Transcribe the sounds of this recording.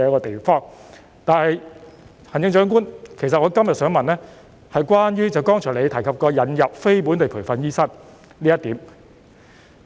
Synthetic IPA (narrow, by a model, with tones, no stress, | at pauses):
ɛ˧ɐ˥kɔː˧t̪e˨fɔː˥ŋ | t̪aː˨nhɐ˨j | hɐ˨˩nt͡sɪ˧ŋt͡ʃœː˨˥ŋk̬uː˥nkʰe˨˩jsɐ˨t̚ŋɔː˨˧kɐ˥mjɐ˨t̚sœː˨˥ŋmɐ˨nlɛː˥ | hɐ˨jkwaː˥njyː˥t͡sɐ˨˩wkɔː˥ŋt͡ʃʰœ˨˩le˨˧jt̪ʰɐ˨˩jkʰɐ˨p̚kɔː˧jɐ˨˥njɐ˨p̚fe˥jpuː˨˥nt̪e˨jpʰuː˨˩fɐ˨njiː˥sɐ˥n | liː˥jɐ˥t̪iː˨˥m